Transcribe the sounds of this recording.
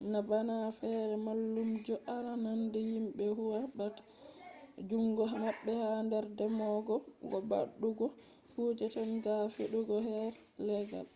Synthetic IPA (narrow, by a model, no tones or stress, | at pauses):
ŋɡabanafɛɾɛmalːumd͡ʒɔʔaɾanandɛjimbɛhuwabat | d͡ʒuŋɡɔɦamabːɛhandɛɾdɛmɔɡɔɡɔba̰ɗːuɡɔ | hud͡ʒɛtanɡafeɗuɡɔɦɛɾ | lɛɡa̰l